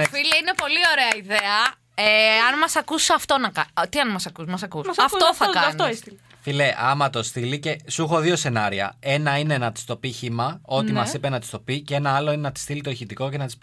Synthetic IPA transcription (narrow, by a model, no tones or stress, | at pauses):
fileinepo̞lio̞ɾeɐiðeɐ | eɐnmɐsɐkusɐft̪o̞nɐkɐt̪iɐnmɐsɐkusmɐsɐkuɐɐfoθɐkɐɐfnitoest̪il | fileʔɐmɐt̪o̞st̪ilice̞suxo̞ðio̞se̞nɐɾiɐ̰e̞nɐine̞nɐt̪i̥st̪o̞piçimɐo̞nimmɐsipenɐt̪ist̪o̞piceenɐɐloine̞nɐt̪i̥st̪ilit̪o̞içit̪iko̞ce̞nɐt̪i̥s